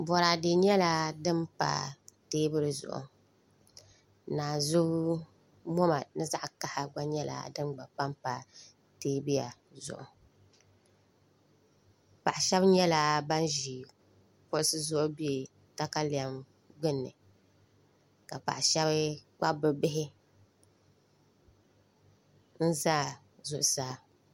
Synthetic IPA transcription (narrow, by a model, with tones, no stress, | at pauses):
bɔ˨ɾaː˨de˨ɲɛ˦la˦dɨ˦mpa̰˨˦teː˦bɨ˦ɾɨ˨zʊ̰˨ʔʊ̰˨ | naː˨zʊ˦ɡ | mɔ˦ma˨nɨ˦za˦ʔka˦ha˨ɡ͡ba˦ɲɛ˦la̰˨dɨ˦mɡ͡ba˨pa˦mpa˨ | teː˦bi˦ja̰˨ | zʊ̰˨ʔʊ˨ | pa˨ʔʃɛ˦bɲɛ˦la˨ba˦n˦ʒiː˨ | pʊ˦sɨ˦zʊ˦ʔʊ˦bi˦e˨ | ta˦ka˦li˨a˨˦m | ɡ͡bʊ˦nːɨ̰˨ | ka˨pa̰˨ʔʃɛ˦βɨ˦k͡pa˦bɨ˨bɪ˦ɦɪ˦ | n̩˦zaː˦˨ | zʊ˨ʔʊ˨saː˦